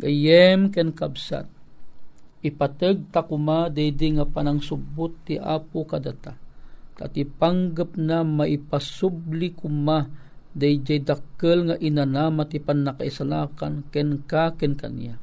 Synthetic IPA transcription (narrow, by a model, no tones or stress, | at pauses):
ɡajɛmkɛnkabsa̰t̪̚ | ipat̪əɡ̚t̪akʊmad̪ajd̪iŋapanaŋsubʊt̪ːiʔa̰pukad̪at̪at̪at̪ipaŋɡəp̚namaʔipasublikumad̪ajd͡ʒajd̪akəlŋaʔinanamat̪ipanːakaisalakankɛnkakɛnka̰nḭja